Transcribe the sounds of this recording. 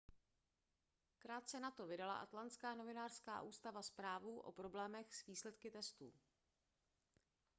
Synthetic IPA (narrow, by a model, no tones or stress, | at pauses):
kɾaːt̪̚t͡sɛnat̪o̞vɪdala̰ʔa̰t̪lant̪t͡skaːno̞vɪnaːr̥ska̰ːʔuːst̪avaspɾaːvuʔo̞̰pɾo̞blɛːmɛxsviːslɛt̪kɪt̪ɛst̪ṵː